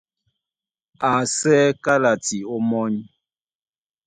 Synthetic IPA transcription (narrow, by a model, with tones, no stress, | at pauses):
a˨sɛ˦ka˦la˨ti˨o˦mɔ˦ɲ